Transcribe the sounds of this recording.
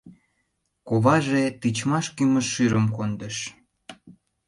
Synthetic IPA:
koβɑʒet̪it͡ɕmɑʃkyməʃːyɾəmkond̪əʃ

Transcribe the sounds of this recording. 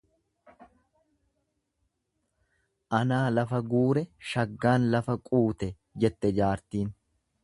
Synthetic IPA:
ʔɐnaːlɐfɐɡuːɾɛʃɐɡːaːnlɐfɐkʼuːt̪ɛ | d͡ʒɛt̪ːɛd͡ʒaːɾt̪iːn

